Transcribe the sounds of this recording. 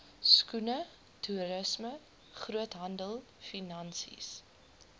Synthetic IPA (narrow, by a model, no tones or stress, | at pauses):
skunə | tʰuɾəsmə | χruətɦɐndəlˠ | finɐnsḭs